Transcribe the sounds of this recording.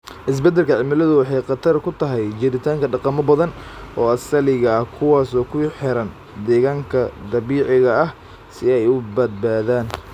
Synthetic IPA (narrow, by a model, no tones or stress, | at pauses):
ʔɪs̬bɛd̪ɛlkʰɐʕɪmɪlɐðʊwɑħɑjqɑt̪ʰɐrkʰʊt̪ʰɐɦɛjt͡ʃɪɾɪt̪ʰaːŋkʰɐɖɑqɑmɔbɐðɐnʔɔːɐsɐlɪɣɐɐhkʰʊwaːsɔːkʰʊħɛɾɐn | d̪ɛːɣaːŋkʰɐd̪ɐβiːʕɪɣɐɐh | sɪɛjʊbɐd̪̚baːðaːn